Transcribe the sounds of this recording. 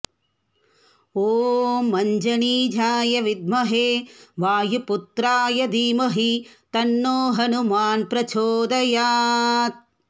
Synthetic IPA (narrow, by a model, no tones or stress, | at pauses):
oːmɐɲd͡ʒɐɳiːd͡ʒʱaːjɐʋid̪̚mɐɦeːʋaːjuput̪ɾaːjɐd̪iːmɐɦit̪ɐnːoːɦɐnumaːnpɾɐt͡ʃʰoːd̪ɐjaːt̪̚